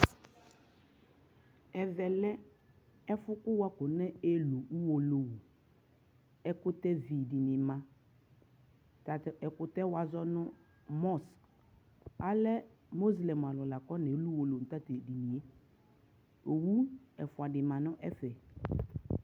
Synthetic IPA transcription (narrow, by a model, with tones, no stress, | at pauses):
ɛ˨vɛ˨lɛ˦ | ɛ˦fʊ˦kʊ˦wa˦kʊ˨nɛ˦e˦lo˨ʔu˦wo˨lo˨wu˨ | ɛ˨kʊ˦tɛ˦vi˨di˨nɪ˨mã˨ | ta˨tɛ˨kʊ˨tɛ˦wa˨zɔ˦nʊ˦ | mɔ˦˨s | a˦lɛ˦ | mo˦zlɛ˨m˨a˨lɔ˨la˨kɔ˦nɛ˨˦lu˦wo˨lo˨n̩˨ta˦te˨di˨ni˨e˦ | o˨wu˦ɛ˨fʊ˨a˨dɪ˨mã˨nʊ̃˦ʔɛ˦fɛ˨